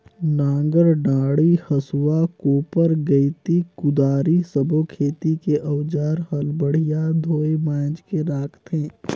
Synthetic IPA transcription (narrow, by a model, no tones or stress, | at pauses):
nãːŋɡəɾɖaːɽihɐsuakoːpəɾɡɐit̪ikʊd̪aːɾisəbʱokʰeːt̪ikeʔɐwd͡ʒaːɾhɐlbəɽ̤ijad̪ʱoːemãːd͡ʒkeɾaːkʰt̪ɦẽː